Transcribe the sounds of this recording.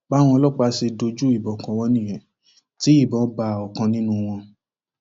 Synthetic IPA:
ba˨˦w̃ɔ̃˧ɔ˧lɔ˦k͡pa˧ʃe˧do˧d͡ʒu˦i˦˨bɔ˨kɔ̃˨w̃ɔ̃˧˦nĩ˦˨jɛ̃˨ | ti˨˦i˦˨bɔ̃˨˦ba˨ɔ˨kã˧nĩ˦nũ˧w̃ɔ̃˧

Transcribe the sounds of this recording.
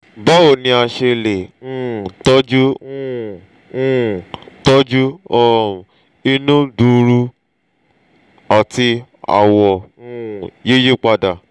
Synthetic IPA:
ɡ͡ba˦o˦˨nĩ˧a˧ʃe˧le˨ñ̩˦˨tɔ˦d͡ʒũ˦˨ | tɔ˦d͡ʒu˦ɔ˦˧˨ | i˧nũ˦du˧ɾu˧ | a˨ti˧ | a̰˨wɔ˨ũ˦˨je˦je˦k͡pa˧da˨

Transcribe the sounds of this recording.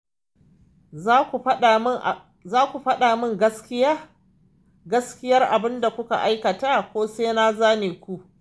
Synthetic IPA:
zaː˦kʷu˨ɸɐ˦ɗaː˨mɪ˦ŋɡɐ˦skʲɪ˦ja˦ | ɡɐ˦skʲɪ˦jɐ˦rʔa˨bɪ˦nda˨kʷʊ˦ka̰˨ʔa˦jkɐ˨taː˦kʷoː˦seː˦naː˦zaː˦neː˨kʷu˦ʔ

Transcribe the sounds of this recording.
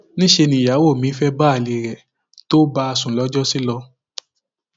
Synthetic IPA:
nĩ˦ʃe˧nĩ˧˦˨ja˨˦wo˦˨mĩ˨˦fɛ˦ba˦a˨li˨ɾɛ˨ | to˦ba˧a˧sũ˨lɔ˦d͡ʒɔ˦si˦lɔ˧

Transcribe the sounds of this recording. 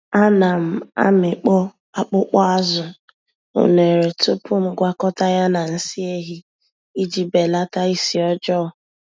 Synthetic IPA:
a˦na˨m̩˨a̰˦mɪ˨k͡pɔ˦ | a˦k͡pʊ˦k͡pɔ˦a˦zʊ˨ | o̰˨ne˨ɾe˨tʊ˦pʊ˦m̩˦ɡʷa˦kɔ˦ta˦ja˦na˨n̩˦si˦e˦ɦi˦ | i˦d͡ʒi˦be˨la˦ta˦i˦si˨˦ɔ˦d͡ʒɔ˦ʊ˨

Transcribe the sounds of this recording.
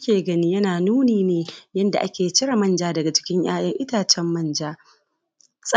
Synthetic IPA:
kʲeː˨ɡɐ˦ni˦jɐ˦naː˨nuː˦niː˨neː˨jɐ˦nda˨ʔa˦kʲeː˨˦t͡ʃɪ˦ɾa˨mɐ˦nd͡ʒaː˦dɐ˨ɡa˨t͡ʃɪ̥˦kʲɪ˦ɲj̰aː˦jɐ˦ŋʔɪ˦taː˨t͡ʃɛ˦mːɐ˦˨nd͡ʒaː˦ | sʼ

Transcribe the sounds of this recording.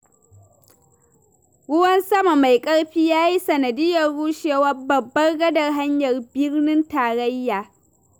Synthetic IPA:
ɽʊ˦wɐ˦nsɐ˦ma˨ma˨jkʼɐ˦ɽɸiː˦jaː˦ji˦sɐ˨nɐ˨dɪ˦jɐ˨rːuː˦ʃeː˨wɐ˦rbɐ˨bːɐ˦rɡɐ˦dɐ˨rɦa˦ɲjɐ˨rbɪ˦rnɪ˦ntaː˨ɽɐ˦jːaː˨

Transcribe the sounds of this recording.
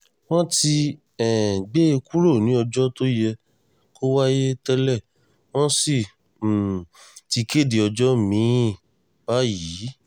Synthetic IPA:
wɔ̃˦ti˧ | ɛ̃˨ɡ͡be˦e˧ku˦ɾo˦˨nĩ˨˦ɔ˧d͡ʒɔ˦to˦jɛ˧ | ko˦wa˦je˦tɛ˧lɛ˦˨ | w̃ɔ̃˦si˦˨ | ti˧ke˦˨di˨˧ɔ˧d͡ʒɔ˦mĩ˨˦˨ | ba˨˦ji˨˦

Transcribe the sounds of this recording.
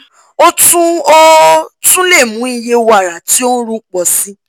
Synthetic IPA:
o˦tũ˦o˦tũ˦le˦˨mũ˨˦i˧je˧wa˨ɾa˨ti˨˦o˦ɾũ˦k͡pɔ˧˨sĩ˦

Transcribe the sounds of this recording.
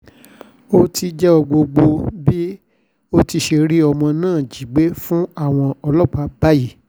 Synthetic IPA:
o˦ti˧d͡ʒɛ˦ɔ˧ɡ͡bo˧ɡ͡bo˧bi˦ | o˦ti˧ʃe˧ɾi˦ɔ˧mɔ̃˧nãː˦˨d͡ʒi˨ɡ͡be˨˦fũ˦a˦˨w̃ɔ̃˧ɔ˧lɔ˦k͡pa˧˦ba˦ji˦˨

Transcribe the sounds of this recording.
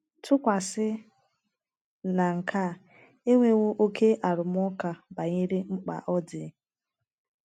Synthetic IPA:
tʰʊ˦kʷa˨sɪ˦ | na˨ŋ̩˨kʰa˦˨ | e˦ŋʷe˦wo˦ʔo˦ke˦ʔa˨ɾʊ˨m˦ɔ˦ka˨ba˨ɲe˦ɾi˦ŋ͡m̩˦k͡pa̰˨ʔɔ˦dɪ˨˦

